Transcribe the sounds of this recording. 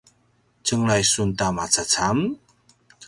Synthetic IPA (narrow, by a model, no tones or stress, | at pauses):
t͡səŋlajsuntamat͡sat͡sam